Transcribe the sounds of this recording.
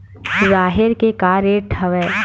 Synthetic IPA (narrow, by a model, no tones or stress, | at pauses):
zaːɦɪɾkekaːɾeːʈʰɐʋɛː